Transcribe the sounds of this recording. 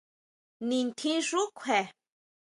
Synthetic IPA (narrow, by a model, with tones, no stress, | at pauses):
nĩ˨nt̪ʰĩ˦ʐu˦kʷʰe˨